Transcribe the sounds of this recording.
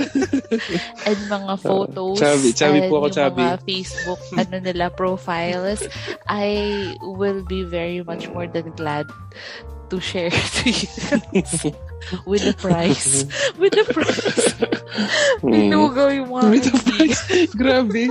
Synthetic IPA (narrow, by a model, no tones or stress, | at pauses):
ʔɛ̃nd̪mɐŋafot̪owt͡ʃasːbɪt͡ʃaːbɪpɔʔɐkojt͡ʃaɐːŋbɪafejsbʊk̚ʔɐnonɪlapɹofajlsʔajwɪlbivɛɹimɐt͡ʃmɔɹd̪ɐ̃nɡlad̪̚ | t̪uʃɛɹt̪ujs | wɪd̪ɐpɹajswɪd̪ɐpɹaj | ɪnɡɐwwawɪɐpɹajsɡɾaːbɛ